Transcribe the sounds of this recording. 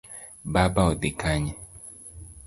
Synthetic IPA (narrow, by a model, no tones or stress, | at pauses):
babaodekaɲɛ